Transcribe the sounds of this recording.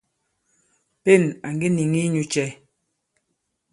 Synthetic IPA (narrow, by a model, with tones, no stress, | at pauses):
pe˦˨na˨ŋɡe˦ni˨ŋi˦ɲu˨t͡ʃɛ˨˦